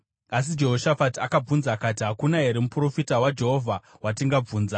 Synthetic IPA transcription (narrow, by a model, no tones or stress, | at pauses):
as̬id͡ʒe̞ɦo̞ʃafatakab͡vunzakatiɦakunaɦeɾemupuro̞fitawad͡ʒe̞ɦo̞vʱawatiŋɡab͡vuːnza